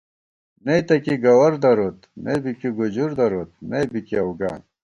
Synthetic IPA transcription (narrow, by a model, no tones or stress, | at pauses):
net̪ɐkiɡɐwɐɾd̪ɐɾot̪nebikiɡud͡ʑuɾd̪ɐɾot̪̚mebikiɐwɡa̰ːn